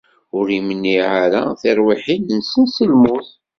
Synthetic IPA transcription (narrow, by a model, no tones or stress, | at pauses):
ʊɾimənːiʕaɾaθɪɾˤwiħinnsənsəlmʊθ